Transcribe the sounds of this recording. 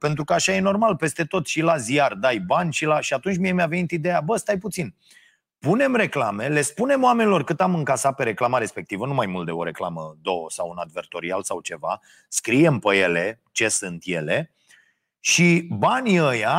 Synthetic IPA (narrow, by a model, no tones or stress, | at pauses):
pe̞nt̪ɾukəaʃaje̞no̞rmalpe̞st̪e̞t̪o̞t̪ʃilazijard̪ajbanʲʃilaʃiat̪unt͡ʃʲmiemeavenit̪id̪e̞jabəst̪ajput̪sin | pune̞mre̞klame̞le̞spune̞moame̞nilo̞rkɨt̪amɨŋkasape̞ɾe̞klamaɾe̞spe̞kt̪ivənumajmult̪̚d̪eo̞ɾe̞kla̰məd̪o̞wəsawunad̪ve̞rt̪o̞ɾialsawt͡ʃe̞va̰ | skɾije̞mpəje̞le̞ | t͡ʃe̞sɨnt̪je̞̰le | ʃibanʲiəja